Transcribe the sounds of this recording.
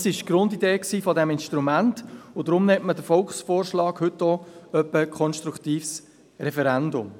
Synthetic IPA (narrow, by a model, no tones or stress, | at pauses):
sɪʃɡ̥ɾʊndideːksiːfɔdɛmɪnʃtɾumæntʊdɾʊmnɛtmədəfɔlkχsfoːrʃlɑːkhʏtːɔœpːəkʰχɔnʃtɾukt̪iːfs | ɾɛfɛɾɛndʊm